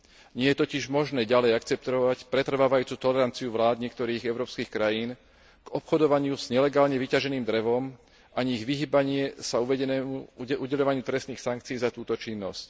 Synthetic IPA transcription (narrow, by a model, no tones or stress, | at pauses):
ɲɪɛjɛt̪ɔciʒmɔʒnɛːɟalɛjakt͡sɛp̚t̪ɔʋacpɾɛt̪r̩ʋaːʋajuːt͡suːt̪ɔlɛɾant͡siuʋlaːd̪ɲɪɛk̚t̪ɔɾiːɣɛʊɾɔːpskiːxkɾajiːn | ɡ̥ɔpxɔd̪ɔʋaɲɪuz̥ɲɛlɛɡaːlɲɛʋicaʒɛniːmd̪ɾɛʋɔm | aɲiɣʋiɦiːbaɲɪɛsauʋɛɟɛnɛuuɟɛʎɔʋaɲɪut̪ɾɛst̪niːxsaŋk̚t͡siiːzat̪uːt̪ɔt͡ʃinːɔ̰sc